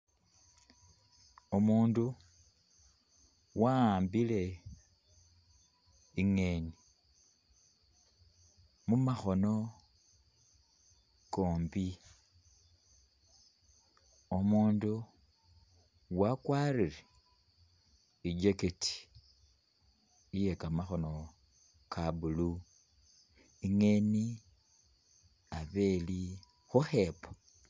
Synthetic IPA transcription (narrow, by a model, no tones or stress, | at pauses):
omuːndu | wambile̞ | iŋeni | mumaxo̞no̞ | koːmbi | omuːndu | wakwaɾiɾe | id͡ʒeketi̥ | ije̞kamaxo̞no̞ | kʰaβulu | iŋeni | aβeli | xuxepo̥